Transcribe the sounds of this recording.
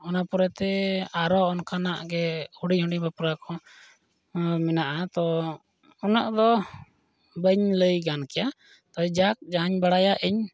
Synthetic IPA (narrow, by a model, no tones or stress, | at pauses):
ɔnapɔɾɛt̪ɛaɾɔɔnkanaʔɡɛhuɽihuɖibapɾakɔ | mɛnaʔat̪ɔ | ɔnaʔd̪ɔ | bəɲləjɡankɛja | t̪ɔd͡ʒak̚d͡ʒaɦaɲbaɽajaʔiɲ